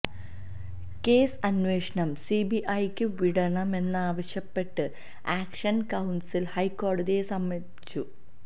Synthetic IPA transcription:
ke̞ːsɐnʋe̞ːʂɐnɐmsibiʔɐjkʲːɨʋiɽɐɳɐme̞nːaːʋɐɕjɐpːe̞ʈːɨ | aːkʂɐnkɐwnsilhɐjkːo̞ːɖɐðijesɐmːɐ | t͡ɕːu

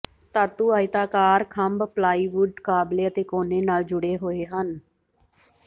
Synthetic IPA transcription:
t̪aːt̪uːaːɪt̪aːkaːɾkʰəmbplaːiːʋʊɖkaːbleːət̪eːkoːneːnaːld͡ʒʊɽeːɦoːeːɦən

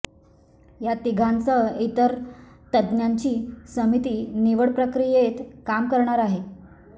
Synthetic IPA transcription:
jat̪iɡʱant͡səit̪əɾ | t̪əd̪njaɲt͡ɕiːsəmit̪iːniʋəɽpɾəkɾijet̪kamkəɾɳaɾaɦe

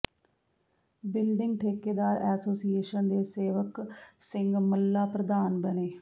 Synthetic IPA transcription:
bɪlɖɪŋɡ̚ʈʰeːkeːd̪aːɾɛːsoːsieːʃənd̪eːseːʋəksɪŋɡməlːaːpɾəd̪aːnbəneː

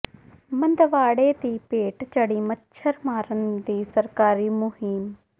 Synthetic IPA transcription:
mə̃nd̪ʋaːɽeːd̪iːpeːʈt͡ʃəɽiːmətːʃʰəɾmaːɾənd̪iːsəɾkaːɾiːmʊɦim

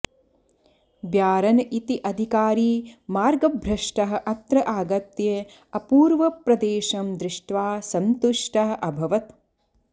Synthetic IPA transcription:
bjaːɾɐnʔit̪iʔɐd̪ʱikaːɾiːmaːɾɡɐbʱɾɐʂʈɐɦɐ̆ʔɐt̪ɾɐʔaːɡɐt̪jɐ | ɐpuːɾʋɐpɾɐd̪eːʃɐmd̪ɾɪʂʈʋaːsɐnt̪uʂʈɐɦɐʔɐbʱɐʋɐt̪

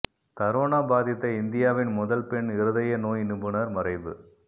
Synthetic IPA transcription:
t̪ɐɾoːɳaːbaːðɪt̪ːɐɪnd̪ɪjaːʋɪnmʊðɐlpɛɳɪɾɯðɐjɐnoːjnɪbɯnɐɾmɐrɐɪʋɯ̰

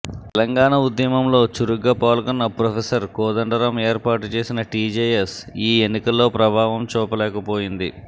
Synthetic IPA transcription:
tt̪ɛlɐŋɡaːɳɐud̪jɐmɐmlo̞ːt͡ʃuɾuɡɐːpaːlkɔnːɐpɾopʰesɐɾkɔːd̪ɐɳɖɐɾɐmeːɾpaːʈut͡ʃe̞ːsinɐʈiːd͡ʒejesiːenːikɐlːo̞ːpɾɐbʱaːʋɐmt͡ʃɔːpɐlɛːkɐpo̞ːjind̪i

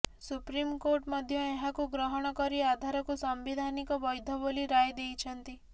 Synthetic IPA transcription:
supɾimkoɾʈmɔd̪ʱjɔeɦakuɡɾɔɦɔɽ̃ɔkɔɾiad̪ʱaɾɔkusɔmbid̪ʱanikɔbɔjd̪ʱɔboliɾajd̪ejt͡ʃʰɔnt̪i

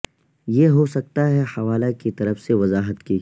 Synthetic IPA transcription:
jeɦosɐk̚t̪aɦɛhɐʋaːlakit̪ɐɾəfseʋɐzaːɦət̪ki

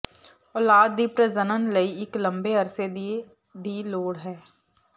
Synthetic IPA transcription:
ɔːlaːd̪̚ːiːpɾəzənənlɐiɪklɐ̃mbeɐɾsed̪ie | d̪iːloːɽɦɛː

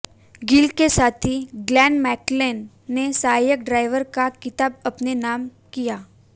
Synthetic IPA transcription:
ɡɪlkesaːt̪ʰiɡlɛ̃ːnmɛːklenː | esaːjək̚ɖɾaːɪʋəɾkakɪt̪aːbɐpnenaːm | kijaː

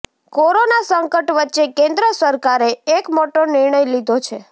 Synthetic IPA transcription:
koɾonasəŋkəʈʋətːʃekẽnd̪ɾəsəɾkaɾeːkmoʈonɪɾɳəjlid̪ʱot͡ʃʰe

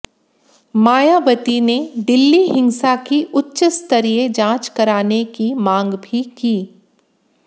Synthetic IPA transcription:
maːjabət̪ined̪ɪlːiɦɪ̃ŋsakiʔʊtːʃəst̪əɾijed͡ʒãːt͡ʃkɐɾaːnekimãːŋɡbʱikiː

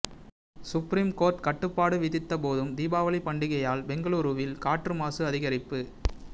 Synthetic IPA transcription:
sʊpɾiːmkoːɾʈkɐʈːɯpːaːɽɯʋɪðɪt̪ːɐpoːðɯmd̪iːbaːʋɐlɪpɐɳɖɪɣɐjaːlbɛŋɡɐɭuːɾɯʋɪlkaːʈrɯmaːsɯɐðɪɣɐɾɪpːɯ

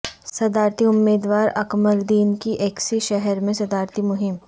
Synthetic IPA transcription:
sɐd̪aːɾt̪ʰiʊmːeːd̪ʋaːɾɐkməɾd̪iːnkiʔeːksiʃɛɦɛɾmẽsɐd̪aːɾt̪ʰimʊɦɪm

